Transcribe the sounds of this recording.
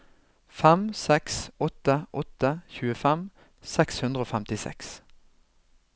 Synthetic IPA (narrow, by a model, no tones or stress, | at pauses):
fɛmsɛksɔt̪əʔɔt̪əçʉːəfɛm | sɛkshʉnd̪ʁəoːfæmt̪ɪsɛ̰ks